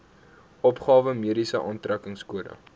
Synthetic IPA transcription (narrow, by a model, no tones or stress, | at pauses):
ʔɔpχɑːvəmiəɾisəʔɑːntrækəŋskuədə̰